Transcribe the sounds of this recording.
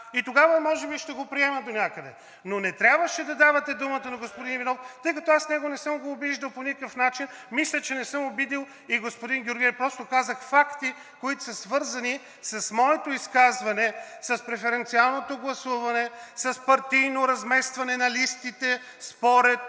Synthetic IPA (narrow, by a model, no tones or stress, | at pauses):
it̪oɡavɐmɔʒɛbiʃt̪ɛɡopɾiɛmɐd̪onʲakəd̪ɛ̰ | nonɛt̪ɾʲabvəʃɛd̪ɐd̪avɐt̪ɛd̪umət̪ɐnɐɡospod̪inivinɔft̪ɤjkɐt̪ɔasnɛɡonɛsɤmɡoːbiʒd̪ɐlˠponikəkəfnat͡ʃin | mislʲət͡ʃɛnɛsɤmobid̪ilˠ | iɡospoʊd̪inɡʲjʊɾɡʲiɛfpɾɔst̪okazəxfakt̪i | koit̪ʊ̥sɐsvɤɾzɐni | sɐsmɔɛt̪oiskazvɐnɛsɐspɾɛfɛɾɛnt̪sialˠnot̪oɡlˠɐsuvɐnɛsɐspɐɾt̪ijnoɾɐzmɛst̪vɐnɛnɐlist̪it̪ɛ | spoɾɛt̪̚